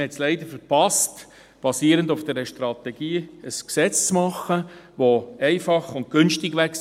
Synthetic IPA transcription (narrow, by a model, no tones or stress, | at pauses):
hɛtslɛɪd̪əɾfəɾpɑst | b̥ɑsiːəɾəndʊfd̥̪ɛɾəʃtɾɑt̪ɛɡ̥iːəsksɛt͡st͡smɑχːəʋoɛɪfɑχʊnt̚ɡ̥ʏnʃtɪɡʋæks